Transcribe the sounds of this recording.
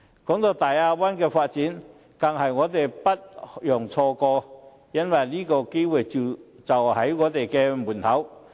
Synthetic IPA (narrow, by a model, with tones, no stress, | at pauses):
kɔː˨˥ŋt̪o˧t̪aː˨˩jaː˧wɐ˥nkɛː˧faː˧t̚t͡siː˨˥n | kɐ˨˩ŋhɐ˨jŋɔː˨˧t̪e˨jpɐ˥t̚jɔː˨˩ŋt͡ʃʰɔː˧kɔː˧ | jɐ˥nwɐ˨jliː˥kɔː˧ke˥jwuː˨jt͡si˨ | t͡sɐ˨whɐ˨˥jŋɔː˨˧t̪e˨jkɛː˧muː˨˩nt̪ʰɐ˨˥w